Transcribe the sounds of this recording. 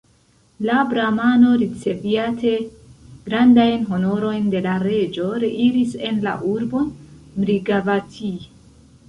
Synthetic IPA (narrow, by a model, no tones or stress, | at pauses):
labɾamano̞ɾit͡se̞viatʰe̞ | ɡ̥ɾandajnɦo̞no̞ɾo̞jnde̞laɾe̞d͡ʒo̞ɾeʔiɾise̞nla̰ʔuɾbo̞nmɾiɡavatʰi